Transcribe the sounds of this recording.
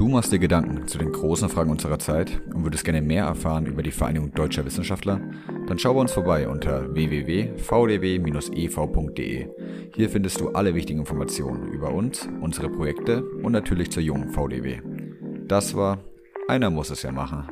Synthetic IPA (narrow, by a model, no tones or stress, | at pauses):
d̥uːmaχstd̥iːɐɡədaŋkŋ̩t͡sudeːnɡʁoːsn̩fʁ̥aːɡŋ̩ʔʊnzəʁ̞ɐt͡saɪtʔʊntv̥ʏɐdəstɡ̥ɛɐnəmeːɐʔɛ̰ɐfaːʁənʔy̰ːbɐdiːfɛɐʔa̰ɪnɪɡʊŋd̥ɔʏt͡ʃɐvɪsn̩ʃaftlɐ | d̥anʃaʊviːɐʊnsfoɐbaɪʔʊ̰ntʰɐveːveːveːfaʊdeːveːmiːnʊsʔefaʊpʰʊŋkt̚d̥ḛʔḛː | hiːɐfɪndəstd̥uːʔa̰ləvɪçtɪɡŋ̩ɪnfɔɐmat͡sjo̰ːnənʔy̰ːbɐʔʊnsʔʊnzəʁəpʁ̥ojɛktəʔʊntnatʰyːɐlɪçt͡suːɐjʊŋənfaʊdḛːvḛːd̥asv̥aːɐ | ʔaɪnɐmʊsɛsja̰ːma̰χn̩